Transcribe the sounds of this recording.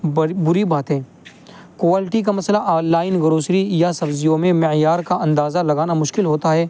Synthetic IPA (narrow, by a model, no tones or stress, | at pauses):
bʊɾibaːt̪ɦẽː | kʋaːlɪʈik̬amɐslaʔaːlːaːɪnɡɐɾoːsɾijasɐbzijõmẽmɪjaːɾkaʔɐ̃nd̪aːzalɐɡaːnamʊʃkɪlɦoːt̪aɦɛː